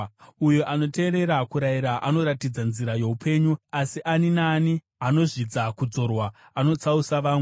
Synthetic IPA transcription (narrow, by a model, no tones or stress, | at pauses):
ujoʔano̞te̞ːɾe̞ɾakuɾaiɾaʔano̞ɾatid͡zanziɾaje̞upʰe̞ɲuasiʔaninaːni | ano̞ʐid͡zakud͡zo̞rwa | ano̞t͡sausaʋaːŋ